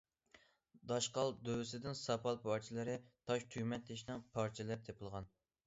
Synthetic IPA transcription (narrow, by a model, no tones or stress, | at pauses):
d̪ɑʃqɑlˠd̪øwɪsɪd̪ɪnsɑpʰɑlˠpʰɑɾt͡ʃʰilˠɨɾɨɪt̪ʰɑʃt̪ʰymɛnt̪ʰːeʃnɪŋpʰɑɾt͡ʃʰilɛp̚t̪ʰepʰɨlˠʁɑn